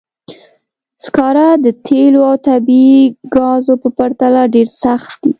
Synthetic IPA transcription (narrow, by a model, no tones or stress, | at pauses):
skɑɾad̪ət̪ʰeloawt̪abiiɡɑzopəpaɾt̪alaɖeɾsaxt̪̚d̪i